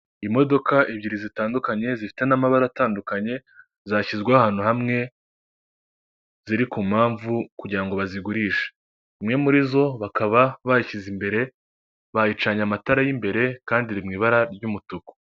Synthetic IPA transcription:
imo̞do̞kaʔiβɟiɾizitaːndukaɲe̞zifi̥te̞namaβaɾataːndukaɲe̞ | zaçizɡwahaːn̥huɦamŋe̞ | ziɾikumhaːɱvukuɟiɾaŋɡo̞βaziɡuɾiːʃe̥ | imŋe̞muɾizo̞βakaβaβaiçizimbe̞ɾe̞ | βajit͡ʃaɲamataɾajimbe̞ɾe̞kaːndiɾimŋiːβaɾaɾɟumutuku̥

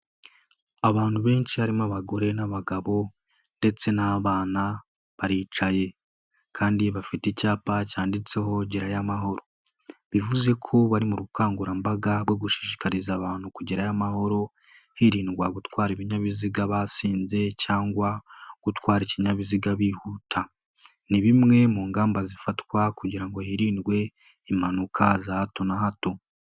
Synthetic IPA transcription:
aβaːnhuβe̞ːnt͡ʃihaɾimaβaɡo̞ɾe̞naβaɡaβo̞ | nde̞t͡se̞naβaːna | βaɾiːt͡ʃaje̞ | kʰaːndiβafitecaːpacaːndit͡se̞ɦo̞ɟiɾajamaɦo̞ɾo̞ | βivuze̞kʰo̞βaɾimuɾukaːŋɡuɾambaɡaɾwo̞ɡuʃi̥ʃi̥kaɾizaβaːn̥hukuɟiɾajamaɦo̞ɾo̞ | hiɾiːnɡwaɡutwaːɾiβiɲaβiziɡaβasiːnze̞caːŋɡwaɡ̥utwaːɾiciɲaβiziɡaβihutʰa | niβimŋe̞muːŋɡaːmbazifatwakuɟiɾaŋɡo̞hiɾiːnɡwe̞ | imanukʰazahato̞nahato̞

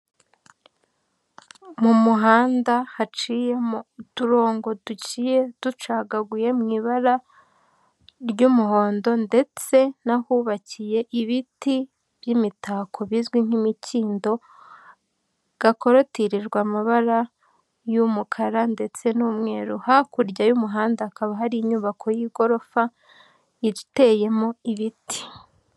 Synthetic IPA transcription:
mumuɦaːndahat͡ʃijemtuɾo̞ːŋɡo̞ducijed̥ut͡ʃaːɡaɡuje̞mŋiːβaɾa | ɾɟumuɦo̞ːndo̞nde̞t͡se̞nahuβacije̞ʔiβiti | β̥jimitakʰo̞βizɡwiŋ̥himiciːndo̞ | ɡ̥ako̞ɾo̞tiɾiɾɡwaːmaβaɾa | jumukʰaɾande̞t͡se̞nuːmŋe̞ːɾuhakuɾɟajumuɦaːndaːkaβaɦaɾiːɲuːβakʰo̞jiɡo̞ɾo̞fa | iɾite̞ːje̞moiβiti̥

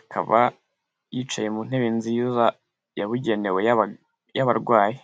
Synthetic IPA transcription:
akʰa̰βa̰ | jit͡ʃaje̞mun̥heβinziːza | jaβuɟe̞newe̞ja | jaβaɾɡwaːji

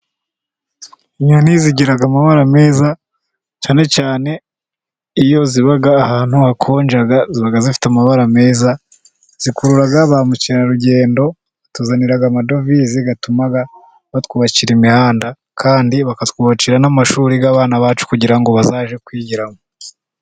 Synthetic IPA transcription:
iɲoniziɟiɾaɡamaβaɾame̞ːza | t͡ʃaːne̞t͡ʃaːne̞ | ijo̞ziβaɡaːhaːn̥huhakʰo̞ːnd͡ʒaɡaziβaɡazifi̥tamaβaɾame̞ːza | z̥ikuɾuɾaɡaβamuciɾaɾuɟe̞ːndo̞ | βatuzaniɾaɡamado̞viziɡatumaɡa | βatkuβat͡ʃiɾimihaːnda | kʰaːndiβakatkuβat͡ʃiɾanamaʃuːɾiɡaβaːnaβaːt͡ʃu̥kuɟiɾaŋɡo̞βazaːʒe̞kwiːɟiɾamo

